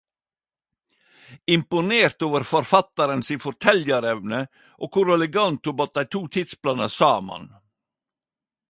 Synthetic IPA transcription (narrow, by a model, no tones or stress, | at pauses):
ɪmpʊneːɾt̪oːʋəɾfɔɾfɑt̪ɑɾənsiːfɔʈʰɛljəɾɛʋnə | ʔoːkʰʊɾɛlɛɡɑnt̪ʊbɑt̪̚æɪt̪ʰuːt̪ʰɪt̪splɑːnəsɑːmɑ̰n